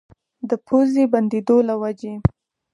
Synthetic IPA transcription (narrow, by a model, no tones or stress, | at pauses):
d̪əpʰozeband̪ed̪olawad͡ʒe